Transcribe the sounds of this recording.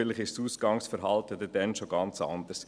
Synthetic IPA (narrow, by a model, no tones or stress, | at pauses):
lɪχɪʃsuːsɡ̥ɑŋsfəɾɦɑlt̪əd̪ədɛnʃoɡɑnt͡sɑ̰nd̪əɾs